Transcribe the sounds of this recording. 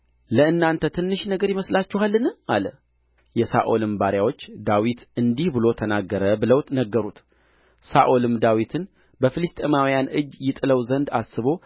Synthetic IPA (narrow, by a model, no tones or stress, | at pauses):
ləɨnːant̪ʰət̪ʰɨnːɨʃnəɡəɾjɪməslat͡ʃːɛhalːɨna̰lə | jɛsa̰ʔo̞lɨmbaɾjawo̞t͡ʃːd̪awit̪ɨnd̪ihbɨlo̞t̪ʰənaɡːəɾəbələwt̪nəɡːəɾut̪ | sa̰ʔo̞lɨmd̪awit̪ʰɨn | bəfɨlɨst̪ʼemawijanʔɨd͡ʒjɪt̪ʼɨləwzənd̪asːɨβo̞